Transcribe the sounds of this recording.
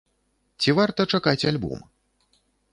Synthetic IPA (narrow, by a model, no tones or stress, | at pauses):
t͡sʲivart̪ɐt͡ʂakat͡sʲalʲbṵm